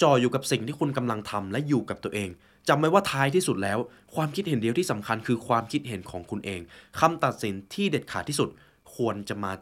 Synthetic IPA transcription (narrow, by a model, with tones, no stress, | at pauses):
t͡ɕɔː˨˩juː˨˩ka˨˩p̚si˨˩ŋt̪ʰiː˥˩kʰu˧nka˧mla˧ŋt̪ʰa˧mlɛ˦˥juː˨˩ka˨˩p̚t̪u˧əʔeː˧ŋ | t͡ɕa˧mːa˦˥waː˥˩t̪ʰaː˦˥jt̪ʰiː˥˩su˨˩t̪̚lɛː˦˥w | kʰwaː˧mkʰi˦˥t̪̚he˨˩˦ndi˧əwt̪ʰiː˥˩sa˩˦mkʰa˧nkʰɯː˧kʰwaː˧mkʰi˦˥t̪̚ɦe˩˦nkʰɔː˩˦ŋkʰu˧nʔeː˧ŋkʰa˧mt̪a˨˩t̪̚si˩˦nt̪ʰiː˥˩deː˨˩t̪̚kʰaː˨˩t̪iː˥˩su˨˩t̪̚ | kʰu˧ənt͡ɕa˨˩maː˧